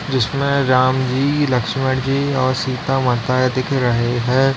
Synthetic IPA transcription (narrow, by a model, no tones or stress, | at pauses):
d͡ʒɪsmẽɾaːmd͡ʒiːlɐkʃməʈd͡ʒiɔːɾsiːt̪amɐt̪aːd̪ɪkʰɾɐɦeɦɛ̃ː